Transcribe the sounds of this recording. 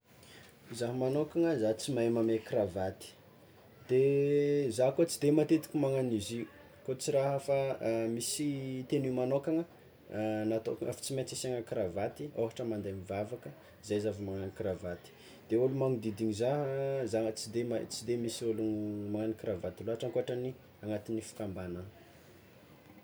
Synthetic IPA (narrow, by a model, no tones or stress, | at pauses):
zaɦmanokaŋəzat͡simamamekravat̪i̥ | d̪̥e | zakot͡sid̪emat̪et̪i̥kʲimaŋaniziu | kot͡siɾaɦəfamisit̪enumanokaŋə | nat̪oa̰fḁt͡simet͡siseŋəkravat̪ioɦaʈ͡ʂəmand̪emivavakə | zajzavimaŋanikravat̪i̥ | d̪̥eulumaŋid̪id̪iɲizaɦzaŋət͡sid̪eat͡sid̪emisolumaŋanikɾavat̪iloɦaʈ͡ʂaŋkoaʈ͡ʂani | aŋat̪inifi̥kambanə